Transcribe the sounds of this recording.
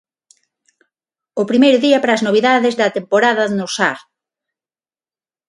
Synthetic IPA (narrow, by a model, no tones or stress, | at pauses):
ʊpɾimejɾʊðiɐpaɾaːznoβ̞iðaðɪzðɐt̪empoɾaðɐnʊsaɾ